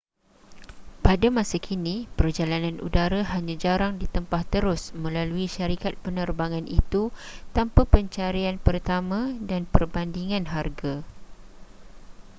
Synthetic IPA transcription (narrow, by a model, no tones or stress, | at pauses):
padamãsakʰinipərd͡ʒalanãnṵdaɾaɦaɲãd͡ʒaɾaŋdit̪əmpaht̪əɾʊsmə̃laluiʃaɾikat̪̚pənərbaŋãnḭt̪ut̪ampapəɲt͡ʃaɾianpərt̪amãdanpərbandiŋãnɦarɡa